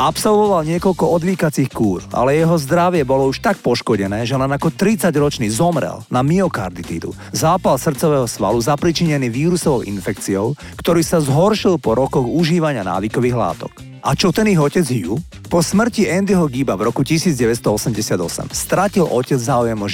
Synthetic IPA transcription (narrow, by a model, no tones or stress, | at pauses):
apsɔlʋɔʋalɲɪɛkɔʎkɔɔd̪ʋiːkat͡siːxkuːɾa̰lɛjɛɦɔzd̪ɾaʋɪɛbɔlɔuʃt̪ak̚pɔʃkɔɟɛnɛːʒɛlɛnakɔt̪ɾit͡saɟɾɔt͡ʃniːzɔmɾɛ̰lnamiɔkaɾd̪it̪ḭːd̪ṵ | zaːpalsr̩t̪t͡sɔʋɛːɦɔsʋa̰luzapɾit͡ʃiɲɛniːʋiːɾusɔʋɔʊʔḭnfɛkt͡siɔʊ | kt̪ɔɾiːsazɦɔɾʃilpɔɾɔkɔɣuʒiːʋaɲɪana̰ːʋikɔʋiːɣla̰ːt̪ɔ̰k | ʔat͡ʃɔt̪ɛniɣɔcɛd͡zju | pɔsmr̩ciɛnd̪iɦɔɡibavɾɔkucisiːd͡zɟɛʋɛst̪ɔɔsɛmɟɛsɪad̪ɔsɛ̰mst̪ɾacilʔɔcɛd͡zzaːujɛmɔʒ